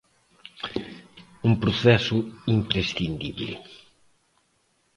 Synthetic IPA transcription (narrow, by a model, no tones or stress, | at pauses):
umpɾoθɛsʊimpɾesθind̪iβlɪ̰